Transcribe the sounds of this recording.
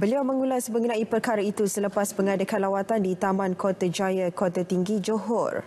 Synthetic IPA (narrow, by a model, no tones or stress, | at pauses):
bəliawmə̃ŋulasmə̃ŋɡunãipərkaɾait̪usələpasməŋadakanlawat̪andit̪amãnkot̪ad͡ʒajakɔt̪at̪iŋɡid͡ʒoɦɔ̰r